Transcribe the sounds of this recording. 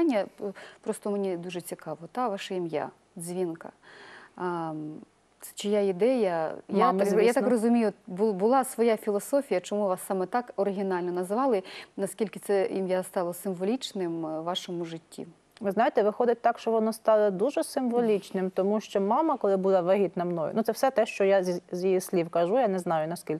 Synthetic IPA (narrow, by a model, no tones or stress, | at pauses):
nʲːɐpɾɔst̪ɔmenʲid̪uʒɛt͡sʲikɑʋɔt̪aʋɑʃɐimja̰ | zʲʋʲinkɐ̰ | ɛ̥t͡ʃɪjaid̪ɛjɐjmjat̪akrɔzʊmʲijʊbʊbʊlˠɑsʋɔjafʲilˠɔsɔfʲijɐt͡ʃɔmuʋɑsːɑmɛt̪ɑkɔɾɪɦʲɪnɑlʲnɔnɐzʋɑlˠɪnɐskʲilʲkɪt̪sɛjimjast̪ɑlˠɐsɪmʋɔlʲit͡ʃnɪmʋːɑʃɔmʊʒɪtʲːḭ | ʋɪznɑjet̪ɛʋɪxɔd̪ɪt̚ʲt̪ɑkʃt͡ʃɔʋɔnɔst̪ɑlˠɐd̪uʒɛsɪmʋɔlʲit͡ʃnɪmt̪ɔmuʃt͡ʃɔmɑmɐkɔlˠɪbulˠɐʋɐɦʲit̪nɐmnɔjʊ̰nut̪sɛwsɛt̪ɛʃt͡ʃɔjazzʲjijisʲlʲiwkɐʒujanɛznɑjʊnɐskʲilʲ